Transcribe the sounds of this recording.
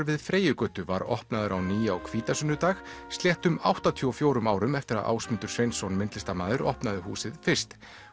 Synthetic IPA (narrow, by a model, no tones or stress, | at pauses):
ɾvɪðfɾeːjʏkʏːt̪ʏva̰ɾɔ̰hpnaðʏɾawniːjaɔ̰kʰv̥iːt̪asʏnːʏt̪aːx | st̪ljɛht̪ʏma̰wht̪at̪ʰiɔfjoːwɾʏmaːwɾʏmɛft̪ɪɾa̰ðʔa̰ːwsmɪnt̪ʏɾ̥svejnsonmɪnt̪lɪst̪amaːðɪɾɔ̰hpnaðɪhuːsɪðfɪr̥st̪